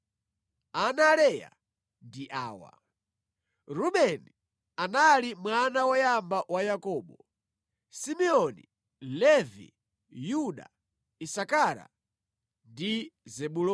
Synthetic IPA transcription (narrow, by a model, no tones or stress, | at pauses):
analɛja̰ | ndiʔaːwa̰ | ɾuɓɛni | analimwanawɔjambawajakɔːɓɔ | simɛɔnḭ | lɛvḭ | juɗa̰ | isakaɾa̰ | ndizɛɓulɔ